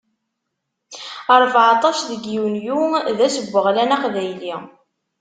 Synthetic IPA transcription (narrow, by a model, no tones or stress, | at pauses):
əɾˤvʕat̪ˤɑʃðəɡjunjuðæsəbːəʁlænɑqðæjli